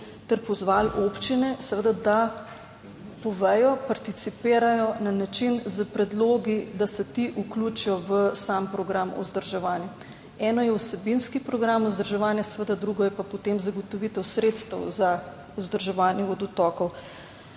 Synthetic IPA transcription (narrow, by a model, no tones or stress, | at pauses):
t̪ɛɾpɔzʋalopt͡ʃinɛsɛʋəd̪ad̪a | pɔʋɛjɔpaɾt̪it̪sipeːɾajɔnanat͡ʃinzəpɾɛd̪loːɡid̪asɛt̪iʔuklut͡ʃijɔʋəsaːmpɾɔɡɾamɔ̰zd̪əɾʒɛʋaːnjɛ | ɛːnɔjɛusɛbinskipɾɔɡɾamuzd̪əɾʒɛʋaːnjasɛʋəd̪ad̪ɾuɡɔjɛpapɔt̪emzaɡot̪ɔʋit̪ɛwsɾeːt̪st̪ɛwza | uzd̪əɾʒɛʋaːnjɛɔd̪ut̪ɔːkɔw